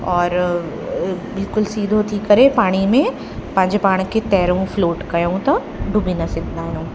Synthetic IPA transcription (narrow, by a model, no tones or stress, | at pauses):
ɔːɾ | bɪlkʊlsiːd̪ʱot̪ʰiːkːɐɾepaːɽ̃imẽ | pãːd͡ʒepaːɽ̃ket̪ɛːɾõfloːʈkɐjũt̪ɐ | ɖʱʊbʱinɐsɪd̪naːnũː